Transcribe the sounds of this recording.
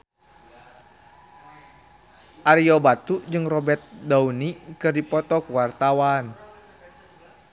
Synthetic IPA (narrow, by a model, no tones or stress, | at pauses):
ʔaɾiɔbat̪ud͡ʒɨŋrɔbɛrt̪̚daunikɨrdipɔt̪ɔkuwart̪awan